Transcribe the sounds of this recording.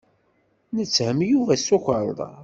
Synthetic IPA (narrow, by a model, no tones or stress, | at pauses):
nət͡sːhəmjuvæsukʷəɾˤðˤɑ̰